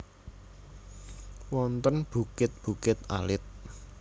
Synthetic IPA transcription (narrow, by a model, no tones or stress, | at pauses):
wɔnt̪ənb̥ṳkɪt̪̚b̥ṳkɪt̪a̰lɪt̪̚